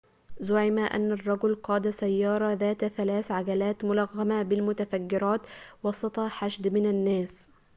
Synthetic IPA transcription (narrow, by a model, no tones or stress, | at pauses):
zʊʕɪmaʔa̰nːarˤːɑɡʊlqɑːd̪asajːɑːɾˤɑðaːt̪θalaːθʕaɡalaːt̪mʊlɑɣːamabɪlmʊt̪afaɡːɪɾɑːt̪wɑsˤɑt̪ˤɑħaʃd̪mɪnanːaːs